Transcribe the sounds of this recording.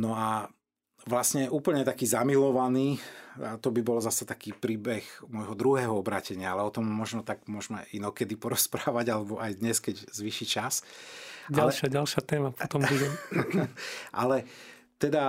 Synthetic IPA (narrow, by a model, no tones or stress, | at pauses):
nɔa | ʋlasɲɛʔuːpl̩ɲɛt̪akiːzamilɔʋaniːat̪ɔbibɔlzasɛt̪akiːpɾiːbɛxmʊɔjɦɔd̪ɾuɦɛːɦɔɔbɾaːcɛɲɪaalɛɔt̪ɔmmːɔʒnɔt̪aɡmʊɔʒmɛʔinɔkɛd̪ipɔɾɔspɾaːʋaɟalɛbɔʔajd̪ɲɛskɛɟzʋiːʃit͡ʃas | ɟalɛʃaɟalʃɪat̪ɛːmapɔt̪ɔmbuɟɛ | ʔa̰lɛ | t̪ɛd̪a